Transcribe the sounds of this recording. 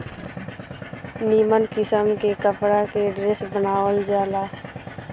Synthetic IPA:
niːmənkɪsəmkekəpɾakeɖɾesbənaːwəld͡ʒaːlaː

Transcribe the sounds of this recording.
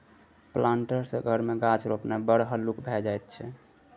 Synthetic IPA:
plaɳʈəɾsəɡʱəɾmeɡat͡ʃʰɾopnabəɽɦəlukbʱɛd͡ʒajt̪̚t͡ʃʰɛ

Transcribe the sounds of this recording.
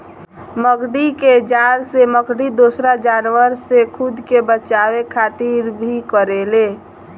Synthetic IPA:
məɡɖiked͡ʒaɾseməɡɖid̪osɾad͡ʒanwəɾsekʰʊd̪ʱkebət͡ʃawekʰaːt̪iɾbʱikəɾele

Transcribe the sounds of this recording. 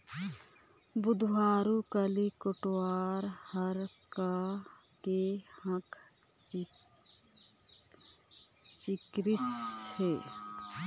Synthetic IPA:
bʊd̪ʱwaːɾukəlikoʈwaːɾhəɾka | kehə̃k | t͡ʃikɾɪsheː

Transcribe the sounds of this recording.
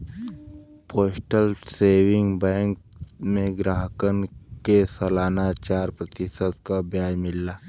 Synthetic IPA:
poːsʈəlseːʋɪ̃ŋɡbɛ̃ːŋkmẽɡɾaːɦəkənkesɐlaːnat͡ʃaːɾpɾət̪ɪʃət̪kabjaːjmɪlːaː

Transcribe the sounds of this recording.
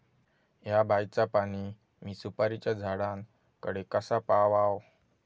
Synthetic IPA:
jabʱajt͡sapaɽ̃i | miːsupaɾit͡ɕad͡zʱaɽan | kəɽekəsapaʋaw

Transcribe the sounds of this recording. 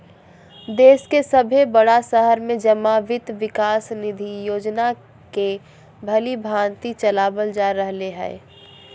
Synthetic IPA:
d̪eːskesəbʱebəɽasəɦəɾmẽd͡ʒəmaʋɪt̪ʋɪkaːsnɪd̪ʱijoːd͡ʒna | ke | bʱəlibʱaːnt̪it͡ʃəlaːbəld͡ʒaɾəɦleɦɛ̰ː

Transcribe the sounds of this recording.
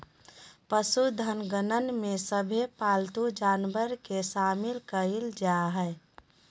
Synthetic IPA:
pəsud̪ʱənɡənənmesəbʱepalt̪ud͡ʒanbəɾkesamilkəild͡ʒaɦɛ

